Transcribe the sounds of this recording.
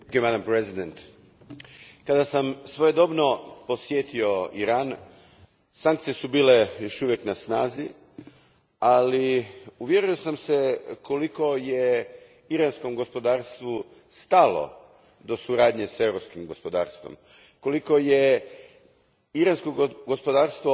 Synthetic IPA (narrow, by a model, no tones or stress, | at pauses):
emad̪ampɾezid̪ent̪ | kad̪asamsʋo̞jed̪o̞bno̞po̞sjet̪io̞iɾaːn | saŋkt̪sijesubiːle̞jo̞ʃuʋjeknasnaːzi | aliuʋjeɾujosamse̞kʰo̞liko̞je | iɾansko̞mɡo̞spo̞d̪aːɾst̪ʋu | st̪alo̞̰ | d̪o̞suɾaːd̪ɲe̞se̞wɾo̞pskimɡo̞spo̞d̪a̰ːɾst̪vʋo̞̰m | ko̞liko̞je | iɾanskoɡospo̞d̪aːɾst̪ʋo